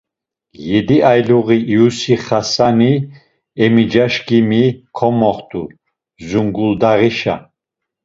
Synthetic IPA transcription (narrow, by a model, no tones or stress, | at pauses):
jɛd̪iajluʁiʔːusiχasani | ɛmid͡ʒaʃkimikʰɔmɔχt̪ʰʼu | zuŋɡuld̪aʁiʃa̰